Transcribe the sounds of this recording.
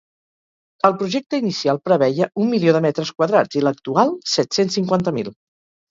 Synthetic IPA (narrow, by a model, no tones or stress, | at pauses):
əlˠpɾuʒɛk̚t̪əinisialˠpɾəβɛjəʔumːilioðəmɛt̪ɾəskwəðɾad͡zilək̚t̪ualˠsɛt̪sensːiŋkwant̪əmilˠ